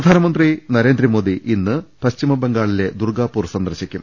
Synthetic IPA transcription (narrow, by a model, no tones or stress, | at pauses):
ɐd̪ʱaːnɐmɐnd̪rinɐɾe̞ːnd̪rɐmoːd̪iʔinːɨpɐɕt͡ɕimɐbe̞ŋɡaːɭile̞d̪urɡaːpːuːrsɐnd̪ɐrɕikʲːṵm